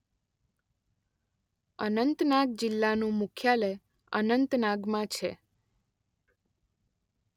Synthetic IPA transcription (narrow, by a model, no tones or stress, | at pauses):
ənənt̪naɡ̚d͡ʒɪlːanũmukʰjale | ə̰nənt̪naɡmãt͡ʃʰḛ